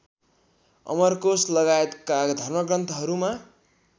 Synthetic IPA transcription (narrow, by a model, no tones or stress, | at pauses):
ʌ̰mʌrkoslʌɡaet̪kad̪ʱʌrmʌkrʌnt̪ʌɦʌɾuma